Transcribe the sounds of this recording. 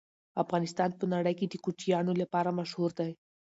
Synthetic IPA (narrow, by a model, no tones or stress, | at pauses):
afɣɑnɪst̪ɑnpənaɽəjked̪əkut͡ʃijɑnolapɑɾamaʃhuɾd̪aj